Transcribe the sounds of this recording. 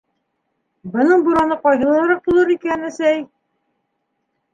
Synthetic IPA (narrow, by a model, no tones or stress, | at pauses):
bɤ̆nɤɴbuɾɑnɤqɑjɦɤ̆lˠɑɾɑq̚bulˠɤɾikænæsæj